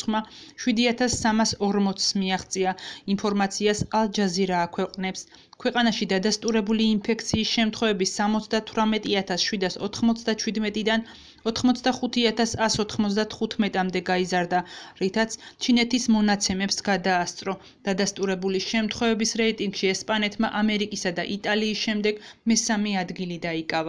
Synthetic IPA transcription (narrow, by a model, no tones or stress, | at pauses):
ma | ʃwid̪iat̪ʰasːamasɔɾmɔt̪smiaχt̪sʼiainpʰɔɾmat̪sʰiasalˠd͡ʒaziɾaːkʰwɛqʼnɛps | kʰwɛqʼanaʃid̪ad̪ast̪ʼuɾɛbuliːnpʰɛkʰt̪sʰiːsʃɛmt̪ʰχwɛvɛbisːamɔt̪sʰd̪at̪ʰwɾamɛt̪ʼiat̪ʰasʃwid̪asɔ̰t̪ʰχmɔt̪sʰd̪at͡ʃʰwid̪mɛt̪ʼid̪an | ɔt̪ʰχmɔt̪sʰd̪aχut̪ʰiat̪ʰasasɔt̪ʰχmɔt̪sʰd̪at̪ʰχut̪ʰmɛt̪ʼamd̪ɛɡaizaɾd̪aɾit̪ʰat̪sʰt͡ʃʰinɛt̪ʰismɔnat̪sʰɛmɛpsɡ̥ad̪aːst̪sʼɾɔ | d̪̥ad̪ast̪ʼuɾɛbuliʃɛmt̪ʰχwɛvɛbisɾɛit̪ʼiŋɡ̥ʃiɛspʼanɛt̪ʰmaʔamɛɾikʼisad̪aʔit̪ʼaliːsʃɛmd̪ɛɡ̥mɛsamiad̪ɡilid̪aikʼava